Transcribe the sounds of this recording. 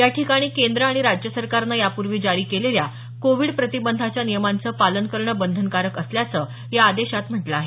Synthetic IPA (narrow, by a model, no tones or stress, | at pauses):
jaʈʰikaɽ̃iːkend̪ɾəaɽ̃iɾad͡ʑjəsəɾkaɾnajapuɾʋiːd͡ʑaɾiːkelelja | koʋiɽpɾət̪ibənd̪ʱat͡ɕjanijəmant͡səːpalənkəɾɳəbənd̪ʱənkaɾəkəsljat͡səː | jaːd̪eɕat̪m̤əʈləaɦe